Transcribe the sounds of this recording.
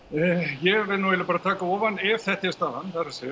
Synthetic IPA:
jɛvɛnuvɛlɪpaːɾat̪ʰaːkaɔːvanːɪv̥θɛht̪ɪst̪ahanːθaɾasɛ

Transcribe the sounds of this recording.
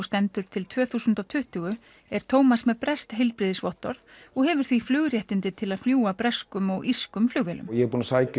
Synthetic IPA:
st̪ɛnt̪ʏɾ̥t̪ʰɪlt̪ʰvœːθusʏnt̪awt̪ʰʏht̪ʏɣʏ | ɛɾ̥t̪ʰoːwmasmɛpɾɛst̪ɦejlpɾɪðɪsvɔht̪ːɔɾðɔɣɦɛvʏɾ̥θviflʏːɣɾjɛht̪ɪnt̪ɪt̪ʰɪlaðfljuːapɾɛskʏmɔɣʔiskʏmflʏːɣvɛlʏ̰mjɛpuːnasaːjc

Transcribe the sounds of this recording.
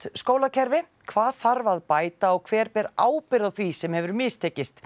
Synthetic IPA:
t̪skoːwlacʰɛɾvɪ | kʰvaːðθaɾvaðpaːjt̪aɔɣkʰvɛːɾpɛɾaːwpɪɾaðθvisɛmhɛvɾmɪːst̪ʰɛːcːɪst̪

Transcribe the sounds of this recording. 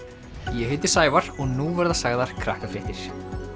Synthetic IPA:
jɛhɪjt̪ɪ̥saːjvaɾ̥ɔɣnuvɛɾðasaɣðaɾ̥kʰɾahkafɾɪht̪ɪɾ̥

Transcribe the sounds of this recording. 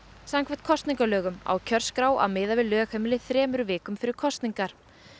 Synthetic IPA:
saŋkʰvɛ̥t̪̚kʰɔst̪niŋkalœːɣʏma̰wcʰœɾ̥skɾaːwa̰wmɪːðavɪðlœːxhemɪlɪθɾɛːmʏɾʏvɪːkʏmfɪɾɪɾ̥kʰɔst̪niŋkaɾ̥

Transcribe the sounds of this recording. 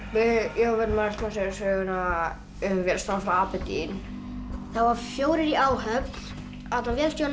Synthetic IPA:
vɪjɔvɛnmat̪lasɛsœːɣʏna | ʏvjɛlst̪ansfaaːpɛt̪ḭn | θavaɾfjoːwɾɪɾiaːwɦœpl | at̪lavjɛlst̪jown

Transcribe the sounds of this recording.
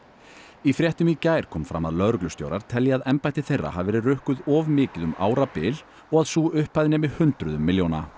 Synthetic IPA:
ifɾjɛht̪ʏmicaːjɾ̥kʰɔːmfɾa̰mːa̰ðlœðɾʏklʏst̪jo̰wɾaɾ̥t̪ʰɛljaaðɛmpajht̪ɪθejrːa̰havvɛːɾɪrʏhkʏðɔvmɪːcɪðʏma̰ːwɾapɪl | ɔɣaðsuːʏhpajðɪnɪmɪðhʏnt̪ɾʏðʏmːɪljoːwna

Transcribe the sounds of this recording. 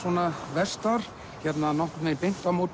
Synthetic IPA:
ɔːnavɛst̪aɾ̥ | çɛt̪nanɔhkt̪mɛðpejn̥t̪amoː

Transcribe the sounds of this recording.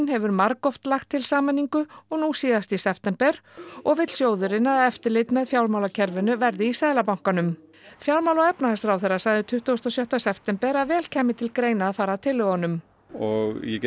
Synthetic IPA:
nhɛvʏɾmaɾkɔft̪laxt̪ʰːɪlsaːmaniŋkʏɔɣnusiːðast̪isɛft̪ɛmpɛɾɔɣvɪt̪l̥sjoːwðʏɾɪnaðɛft̪ɪɾlɪjt̪mɛðfjawlmawlacʰɛɾvɪnʏvɛɾðɪisaːðlapawŋ̥kanʏm | fjawɾmawlaɛpnaɛst̪ɾawθɛrːasajðɪt̪ʰʏht̪uowst̪ɔsjœht̪asɛft̪ɛmpɛɾaðvɛːlcʰɛːmːɪt̪ʰɪlkɾeːjnaːðfaːɾat̪ʰɪlːʏɣɔnʏm | ɔɣjɛ

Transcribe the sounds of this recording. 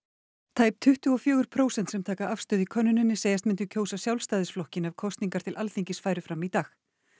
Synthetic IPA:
t̪ʰaːjp̚t̪ʰʏht̪ʏɔfjœːɣʏɾ̥pʰɾoːwsɛnt̪sɛmt̪ʰaːkaafst̪ʏːðɪkʰœnːʏnɪnːɪseːjast̪mɪnt̪ʏcʰoːwsasjawlst̪aːjðɪsflɔhcɪnavkʰɔst̪niŋkaɾ̥t̪ʰɪlʔalθiɲcɪsfaːjɾʏfɾamit̪aːx

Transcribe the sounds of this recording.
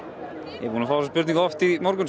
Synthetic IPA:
jɛ̰vunafaːwsaspʏɾt̪ĩŋkɔft̪imɔɾkʏn

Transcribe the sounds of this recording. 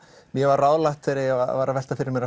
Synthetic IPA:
mjɛvaɾraːwlaht̪fɪɾɪa̰vaːɾavɛl̥t̪afɪɾɪɾmɛɾa

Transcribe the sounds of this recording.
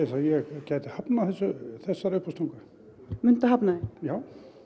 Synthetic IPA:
ɛsajɛɣcaːjt̪ɪhapnaθɛsːʏθɛsːaɾʏhpʰast̪ɔwŋka | mʏn̥t̪aɦapnaðɪjaːw

